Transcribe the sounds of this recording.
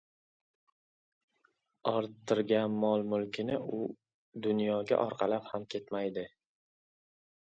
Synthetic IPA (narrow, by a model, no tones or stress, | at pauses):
ɒɾt̪ʰːɪɾɡʲanmɒlˠmʊlˠkʲʰɪnɪʊ | d̪ʊnjɒɡʲa̰ʔɒɾqʰɑlaphamkʲʰe̞t̪majd̪ɪ